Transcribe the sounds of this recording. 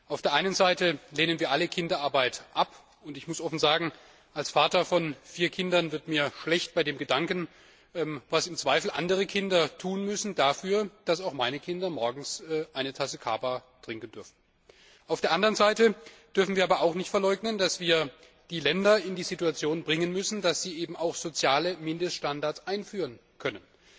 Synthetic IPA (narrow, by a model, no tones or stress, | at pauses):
ʔaʊfd̥eːɐʔaɪnənzaɪtəleːnənviːɐʔaləkʰɪndɐʔaɐbaɪtʔap | ʊntɪçmʊsʔɔfn̩zaːɡŋ̩ | ʔalsfaːtɐfɔnfiːɐkʰɪndɐnvɪɐtmiːɐʃlɛçt̚b̥aɪdeːmɡədaŋkən̩ | ʔɛːmvasɪmt͡sv̥aɪfl̩ʔa̰ndəʁəkʰɪndɐtʰuːnmʏsn̩dafyːɐd̥asaʊxmaɪnəkʰɪndɐmɔɐɡŋ̩sʔaɪnətʰasəkʰa̰ːbatʁ̥ɪŋkən̩d̥ʏɐfn̩ | ʔaʊfd̥eːɐandəʁənzaɪtə | d̥ʏɐfn̩viːɐaːbɐʔaʊxnɪçtfɛɐlɔʏɡnəndasv̥iːɐ | d̥iːlɛndɐɪndiːzituat͡sjoːnbʁɪŋənmʏsn̩d̥asz̥iːʔeːbm̩aʊxz̥ot͡sjaːləmɪndəstʃtandaɐtsʔaɪnfyːʁən | kʰœnən